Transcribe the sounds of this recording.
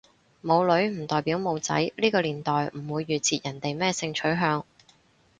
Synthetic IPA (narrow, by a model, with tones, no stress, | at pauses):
mo˨˧wlɵ˨˥ɥm̩˨˩t̪ɔː˨jpiː˨˥wmo˨˧wt͡sɐ̰˨˥jliː˥kɔː˧liː˨˩nt̪ɔː˨jm̩˨˩wuː˨˧jːyː˨t͡sʰiː˨˧t̚jɐ˨˩nt̪e˨jmɛː˥˩sɪ˧ŋt͡ʃʰɵ˨˥ɥɦœː˧ŋ